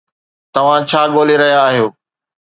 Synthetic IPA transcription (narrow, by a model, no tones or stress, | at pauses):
t̪ɐʋ̤ãt͡ɕʰaːɠoːleɾɐɦijaːɦijoː